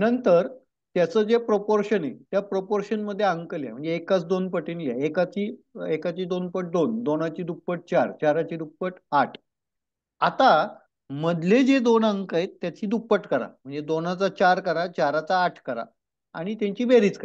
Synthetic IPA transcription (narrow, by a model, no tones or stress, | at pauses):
nənt̪əɾ | t̪jat͡səːd͡zepɾopoɾɕənḛt̪japɾopoɾɕənməd̪ʱːjeəŋkəlja̰m̤əɳd͡zeːkat͡sd̪onpəʈiːnɡaekat͡ɕiːekat͡ɕiːd̪onpəʈ̚d̪ond̪onat͡ɕiːd̪upːəʈ̚t͡ɕaɾt͡ɕaɾat͡ɕiːd̪upːəʈaʈʰ | at̪a | məd̪ʱled͡zed̪onəŋkaɦet̪ːjat͡ɕiːd̪upːəʈkəɾa̰m̤əɳd͡zed̪onat͡sat͡ɕaɾkəɾat͡ɕaɾat͡saːʈʰkəɾa̰ | a̰ɽ̃it̪jaɲt͡ɕiːbeɾiːt͡skə